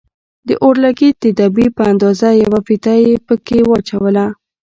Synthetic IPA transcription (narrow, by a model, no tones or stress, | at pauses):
d̪əʔoɾlaɡit̪ɪd̪ɑbipəand̪ɑzajawafit̪ajepəkewɑt͡ʃawəla